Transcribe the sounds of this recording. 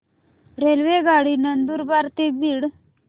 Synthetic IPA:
ɾelʋeɡaɽiːnənd̪uːɾbaɾt̪ebiːɽ

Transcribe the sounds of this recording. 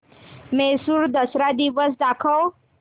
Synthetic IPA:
mesuɾd̪əsɾad̪iʋəs̬d̪akʰəw

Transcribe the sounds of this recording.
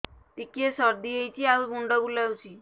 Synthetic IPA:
t̪ikesəɾd̪iejt͡ɕiːalbuɳɖəɡulawsiː

